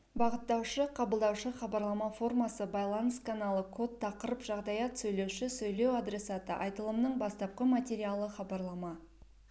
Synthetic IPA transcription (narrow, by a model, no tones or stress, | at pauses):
bɑʁət̪ːɑwʃəqʰɑbəlˠd̪ɑwʃəχɑbɑɾlˠɑmɑfo̞rmɑsəbɑjlˠɑnəskanɑlˠəkʰo̞t̪ʰːɑqəɾəpʒɑʁd̪ɑjɑt̪sɵjle̞wʃɪsɵjle̞wad̪ɾe̞sɑt̪əʔɑ̰jt̪əlˠəmnəɴbɑst̪ɑp̚qəmat̪ʲeɾʲijalˠəχɑbɑɾlˠɑmɑ